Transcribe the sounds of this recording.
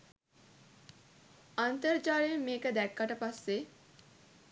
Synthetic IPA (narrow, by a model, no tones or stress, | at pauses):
ant̪əɾd͡ʒaːɭemːeːkəd̪ɛkːaʈəpasːe